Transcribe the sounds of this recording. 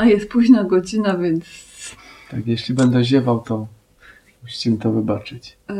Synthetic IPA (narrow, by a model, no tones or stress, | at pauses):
ajɛst̪̚puʑnaɡɔd͡ʑinavʲjɛnt̪st̪akjɛɕlʲibɛnd̪ɛʑɛvawt̪ɔ | muɕimɘt̪ɔvɘbat͡ʂɘt͡ɕ